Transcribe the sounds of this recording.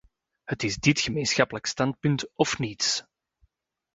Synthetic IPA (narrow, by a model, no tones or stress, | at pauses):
hətɪzdɪtxəmeːnsxɑpələkstɑnt̚pʏntɔfnits